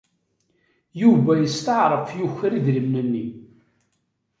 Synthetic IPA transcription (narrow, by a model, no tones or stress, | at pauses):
juvæjəst̪əʕɾˤəfjuçːəɾiðɾimnənːi